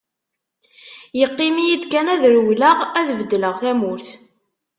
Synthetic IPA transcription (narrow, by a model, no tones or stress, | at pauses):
jəqːɪmijid̪kænæðɾwlaʁæðvəd̪ːləʁθæmʊɾθ